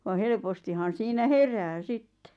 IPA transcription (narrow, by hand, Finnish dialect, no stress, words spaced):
ʋɑ helpostihɑn siːnæ heræː sitːe